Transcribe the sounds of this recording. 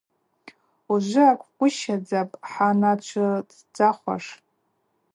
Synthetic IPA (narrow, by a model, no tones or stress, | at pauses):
uʒʷɪakʷʰʼkʷʼʊʃad͡zapʼħanat͡ʃʷʰɨd | d͡zaχʷa̰ʂ